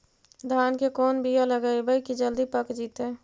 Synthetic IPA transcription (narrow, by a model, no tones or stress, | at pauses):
d̪ʱaːnkekɔːnbijaləɡaibəjkid͡ʒəld̪ipəkd͡ʒiːt̪ẽ